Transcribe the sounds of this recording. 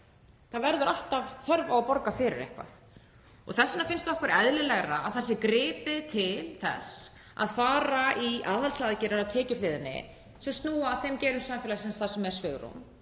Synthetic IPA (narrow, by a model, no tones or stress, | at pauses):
θaðvɛɾðʏɾʔal̥t̪avθœɾvawpɔɾkafɪɾɪ̰ɾḛhkva̰θ | ɔ̰ɣθɛsːɪnafɪnst̪ɔhkʏɾɛðlɪlɛɣɾa̰ːðθasːɪkɾɪːpɪt̪ʰɪlθɛ̰s | a̰ðfaːɾaʔiaːðalsaðcɪɾaɾat̪ʰɛːcɪflɪːðɪnːɪ̰ | sɛmst̪nuːaθejmcɛːɾʏmsaːmfɛlaɣsɛnst̪θasɛmɛɾ̥svʏɣɾṵm